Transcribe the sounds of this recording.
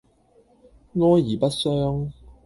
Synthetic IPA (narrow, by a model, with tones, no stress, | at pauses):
ŋɔː˧˥jiː˨˩pɐ˦˥t̚sœː˥ŋ